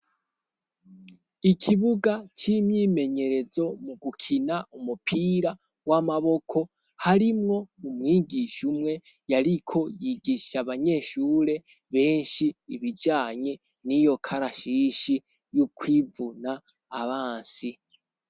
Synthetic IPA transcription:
ikʰiβuɡat͡ʃimjiːme̞ɲe̞ɾe̞zo̞muɡukʰinaumupʰiːɾa | wamaβo̞kʰo̞ | haɾimŋo̞umŋiːɡiʃumŋe̞ | jaɾikʰo̞jiɡiʃaβaɲe̞ːʃuːɾe̞ | βe̞ːnʃiːβid͡ʒaːɲe | nijo̞kʰaɾaʃiʃi | jukwiːvunaː | βaːnsi

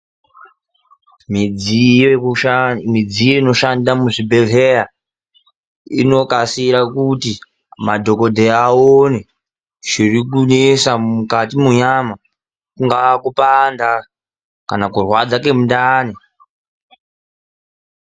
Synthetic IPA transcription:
mi | mid͡zijoino̞ʃandamuʐibʱe̞ɮeja | ḭno̞kasiɾakuti | madʱo̞ko̞dʱeaone | ʐ̥irikunesamukatimuɲama | kuŋɡakupanda | kanakurwad͡zake̞mundaːne

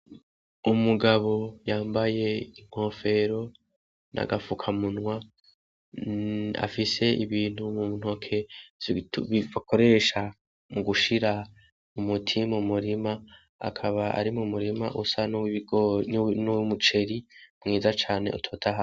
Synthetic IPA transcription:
umuɡaβo̞jaːmbaje̞iŋ̥ho̞ːfe̞ɾo̞ | na̰ɡafukʰamunwa | a̰fise̞iβiːn̥humun̥huokʰe̞ | βiβakʰo̞ɾe̞ʃa | muɡuʃiɾa | umutʰimumuɾima | a̰kʰaβaʔa̰ɾimumuɾimaʔusanuɡnnumut͡ʃe̞ɾimŋiːzat͡ʃaːneʔṵtʰoːtʰaɦa

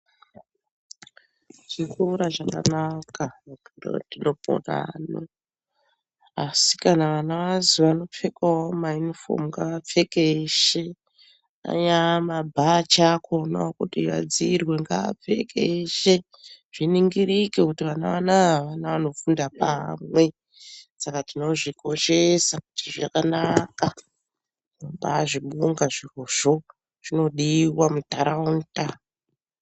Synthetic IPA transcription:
ʐ̥ikuɾaʐaka̰nakaakndo̰dinopo̰ra̰no̰ | asi̥kanaʋanaʋaziʋano̞p͡fe̞kaomajunifo̰muŋɡaʋap͡fe̞keʃe | a̰ɲamabʱat͡ʃakʰonokutiʋa̰d͡zirwe̞ŋɡa̰a̰p͡fe̞kʰeʃe | ʐ̥iniŋɡirikekutiʋanaʋanaaʋanaʋano̞fundapamwe̞ | sakatino̞ʐikʰo̞ʃe̞saku̥tiʐakanaka | inombaʐiɓuŋɡaʐiroʐ̥o̞ | ʐ̥ino̞ɗiwamutaɾaunta

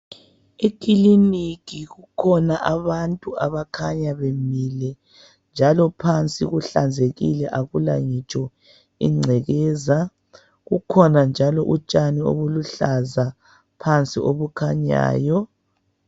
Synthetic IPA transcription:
ekʼilinikiɣukʰɔnaʔaβantʼuaβakʰaɲaβemilɛ | nd͡ʒʱalɔpʰant͡sʼiɣuɬand͡zʱeɣilɛʔaɣula̰ŋit͡ʃʼɔ | ḭŋ͡ǀʱɛɣɛza | ɣukʰɔnand͡ʒʱalɔʔut͡ʃʼanio̰βuluɬaza | pʰant͡sʼioβukʰaɲa̰ːjɔ

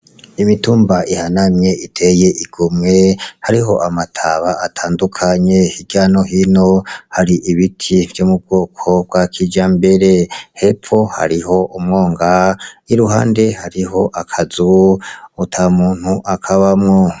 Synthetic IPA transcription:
imituːmbaʔihanamje̞itʰe̞je̞ʔiɡ̥omŋe̞haɾiɦo̞ʔamatʰaβaːtʰaːndukʰaɲe̞hiɡ̥jaːno̞ɦino̞haɾiʔiβitʰiv̥jomub̚ɡoːkʰo̞b̚ɡwakʰid͡ʒaːmbe̞ɾe̞he̞pfo̞ha̰ɾiho̞ʔumŋo̞ːŋɡaiɾuɦa̰ːnde̞haɾiɦo̞ʔakʰazuː | tʰamuːn̥huʔakʰaβamŋo

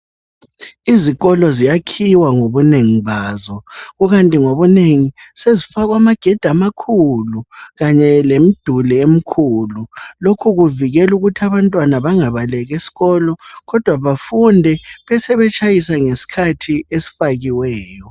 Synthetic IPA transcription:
iziɣɔlɔzijakʰiwaŋoβuneŋiβaːzɔɣuɣantʼiŋoβuneŋisezifaɣwamaɡ̥ʱɛd̥ʱamakʰuluɣaɲɛlem̩d̥ʱulɛem̩kʰululokʰuɣuviɣɛluɣutʰiaβantʼwanaβaŋaβalɛɣesi̥ɣɔlɔɣɔd̥ʱwaβafundʱɛβɛsɛβɛt͡ʃʼajisaŋesi̥kʰatʰiesi̥faɣiwɛːjɔ

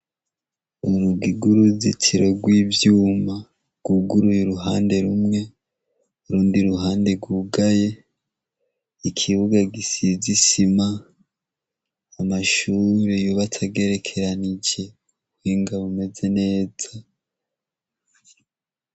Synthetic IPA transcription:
uɾuɡiɡuɾuzitʰiɾoɡwiːvjuːma | ɡ̥uɡuɾujuɾuɦaːnde̞ɾumŋe̞ | uɾuːndiɾuɦaːnde̞ɡuɡaje̞ | ikʰiβuɡaɡisizisima | maʃuːɾejoβatʰaɡe̞ɾe̞kʰe̞ɾanid͡ʒe̞ | wiːŋɡaβume̞ze̞ne̞ːza

